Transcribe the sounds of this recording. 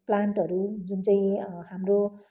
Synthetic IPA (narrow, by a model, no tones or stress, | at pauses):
plaɳʈʌɾud͡zunt͡sʌĩɦamro